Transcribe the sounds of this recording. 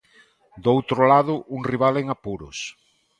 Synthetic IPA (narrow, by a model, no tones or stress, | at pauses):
d̪owt̪ɾʊlaðʊʔuŋriβ̞aleŋapuɾʊs